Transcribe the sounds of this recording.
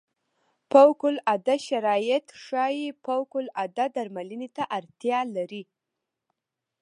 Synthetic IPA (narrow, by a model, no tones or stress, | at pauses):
pawkʊlad̪aʃaɾɑjɪt̪ʂɑjipawkʊlad̪ad̪aɾmalinet̪aʔaɾt̪jɑlaɾi